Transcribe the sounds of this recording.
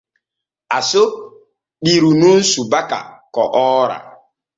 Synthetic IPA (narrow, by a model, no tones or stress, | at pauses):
aso | ɗiɾunun̩subaka̰kɔʔɔɾa̰